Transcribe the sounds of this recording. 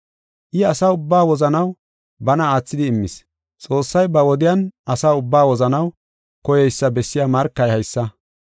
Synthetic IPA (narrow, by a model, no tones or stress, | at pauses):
ʔɪɐsaːʊbːaːwɔzɐnɐw | bɐnɐaːt͡sːɪd̪ɪːmːɪs | t͡sʼo̞ːsːɐjbɐwɔd̪ɪjɐnʔɐsaːʊbːaːwɔzɐnɐw | kɔjɛjsːɐbɛsːɪjamɐɾkːɐjhɐjsːɐ